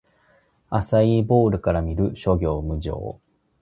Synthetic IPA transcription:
asaibo̞ːɾɯ̟kaɾamʲiɾɯ̟ɕo̞ɡʲo̞ːmɯ̟ʑo̰ː

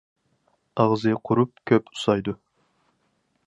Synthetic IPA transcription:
ɑʁzɨqʰʊɾup̚kʲʰøpʊ̥sɑjd̪ʊ

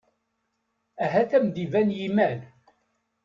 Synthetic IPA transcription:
æɦæθæmd̪ivænjimæl

